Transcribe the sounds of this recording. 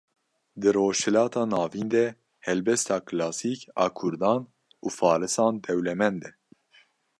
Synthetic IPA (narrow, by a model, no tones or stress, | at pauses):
d̪ɨɾoːʃhɛlɑːt̪ʰɑːnɑːviːnd̪ɛ | hɛlbɛst̪ɑːkʰɨlɑːsiːkɑ̰ːkʰʊɾd̪ɑːn | uːfɑːɾɨsɑːnd̪ɛwlɛmɛnd̪ɛ